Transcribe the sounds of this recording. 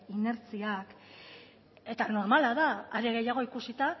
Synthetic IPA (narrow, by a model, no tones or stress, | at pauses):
ine̞ɾt͡siak | e̞t̪ano̞ɾmalaðaːɾe̞ɣ̞e̞jaɣ̞o̞ikusit̪a